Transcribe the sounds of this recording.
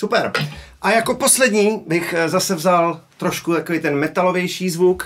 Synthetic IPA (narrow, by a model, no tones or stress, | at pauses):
supɛɾʔajako̞po̞slɛd̪ɲiːbɪxzasɛvzalt̪ɾo̞ʃkut̪akoviːt̪ɛnmɛt̪alo̞vjɛjʃiːzvuk